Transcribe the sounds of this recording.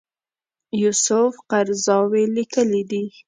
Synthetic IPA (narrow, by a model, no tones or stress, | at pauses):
jusʊfqaɾzɑwelikəlid̪i